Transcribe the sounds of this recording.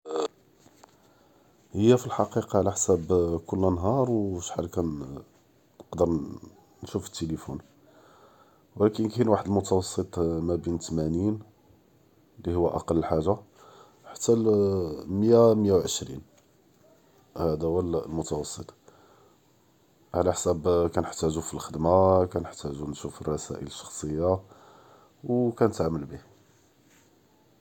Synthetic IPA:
həjːæfilħɑqiqɑʕlæħsæbkʊlːənɦɑɾˤwəʃħalkæn | nəqd̪əɾˤ | nːʃufə̥t̪ːelifṵn | wlækənkænwaħəd̪əlmʊt̪ɑwɑsˤːət̪ˤmæbint̪mænin | lihʊwːæʔɑ̰qɑlːəlħaʒːa | ħḁt̪ːæ | məjamjawʕəʃɾḭn | hæd̪æwælmʊt̪ɑwɑsˤːət̪ˤ | ʕlæħsæbkænəħt̪æʒufilxəd̪makænəħt̪æʒunʃufərˤːɑsæ̰ʔə̰ləʃːɑ̥xsˤəjːa | wkænət̪ʕamːəlbih

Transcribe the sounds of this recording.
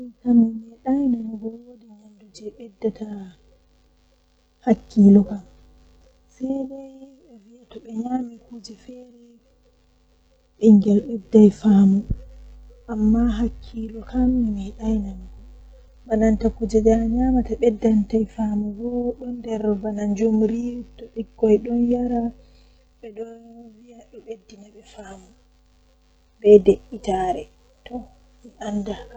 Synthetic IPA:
tamimɛɗajnamɡɔwodiɲandud͡ʒɛɓɛdːata | hakːilɔkam | sɛjdɛj | ɛviatɔɓɛɲamikud͡ʒɛfɛɾi | ɓiŋɡɛlɓɛdːajfaːmu | ʔamːaɦakʰːilɔkamːimɛɗajnamɡɔ | banantakud͡ʒɛd͡ʒaɲamataɓɛdːantajfamuɡɔɗɔndɛɾbanand͡ʒumɾiwutːɔɓikːɔjɗɔnjaɾa | ɓɛɗɔnwijaɗɔɓedːinaɓɛfaːmu | bɛdeʔitaɾɛ | tɔ | miʔandaka

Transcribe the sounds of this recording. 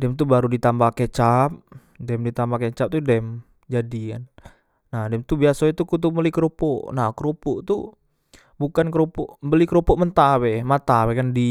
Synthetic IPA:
dɛmt̪ubaɾudit̪ambaket͡ʃap̚ | dɛmdit̪ambaket͡ʃap̚t̪udɛm | d͡ʒadikan | nahdɛmt̪ubiasait̪ukut̪̬uməlikəɾopɔʔnakəɾopuʔt̪u | bukankəɾopɔʔmbəlikəɾopɔʔmənt̪awɛmat̪awɛkandi

